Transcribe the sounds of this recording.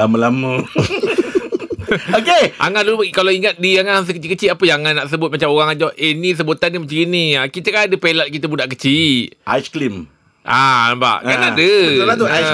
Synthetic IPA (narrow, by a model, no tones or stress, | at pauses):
laməlamə | okeʔa̰ŋadulukalaiŋat̪̚diaŋaas̬əkət͡ʃikət͡ʃiapəjaaŋanaʔsəbʊt̪̚mat͡ʃamoɣaŋad͡ʒɔʔenis̬əbut̪animət͡ʃəɡiniakit̪əkaadəpelat̪̚kit̪əbudaʔkət͡ʃiʔa̰sklim | ʔaba̰ʔkanadəlat̪ua